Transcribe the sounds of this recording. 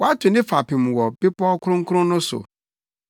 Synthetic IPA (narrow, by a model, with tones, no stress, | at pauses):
wɔ˨˦a˦tʰʊ˨nɪ̃˦fa˨pʰɪ̃˨m˨wɔ˨b̥ɪ˦pɔ˦kʰʊ˦ɾʊ̃˦ŋ̩˦kʰʊ˦ɾʊ̃˦nʊ̃˦sʊ̰˨